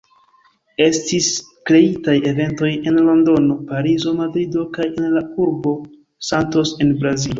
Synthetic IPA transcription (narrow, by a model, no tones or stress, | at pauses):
e̞stis | kɾe̞itaje̞ve̞nto̞je̞nlo̞ndo̞no̞paɾizo̞madɾido̞kaje̞nlauɾbo̞ | santo̞se̞nbɾazilo̞